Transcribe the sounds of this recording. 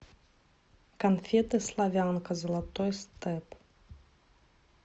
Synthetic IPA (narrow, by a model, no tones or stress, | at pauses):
kanfʲɛt̪ɨslˠavʲankɐzɐlˠat̪ɔjst̪ɛp